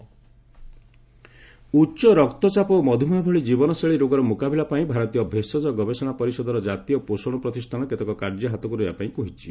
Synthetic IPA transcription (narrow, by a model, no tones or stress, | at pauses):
utːt͡ʃɔɾɔkt̪ɔt͡ʃapɔmɔd̪ʱumɔbʱɔɭid͡ʒibɔnɔseɭiɾoɡɔɾɔmukabilapaĩbʱaɾɔt̪ijɔbʱesɔd͡ʒɔɡɔbesɔɽ̃apɔɾisɔd̪ɔɾɔd͡ʒat̪ijɔposɔɽ̃ɔpɾɔt̪istʰanɔket̪ɔkɔkaɾd͡ʒɔɦat̪ɔkuɾejbapaĩkoɦit͡ʃʰi̥